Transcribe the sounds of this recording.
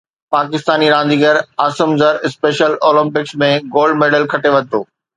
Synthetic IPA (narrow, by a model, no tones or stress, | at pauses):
paːkɪst̪aːniɾãːnd̪iːɡəɾaːsəmzəɾɪspeːʃəloːlɪ̃mpɪksmẽɡoːlɖmeːɖəlkʰɐʈeʋɐd̪̚t̪ʰoː